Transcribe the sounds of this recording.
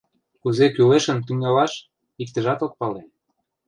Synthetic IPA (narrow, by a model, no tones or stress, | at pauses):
kuzekyleʃə̆nt̪yŋɑlɑʃ | ik̚t̪ə̆ʒɑt̪ok̚pɑle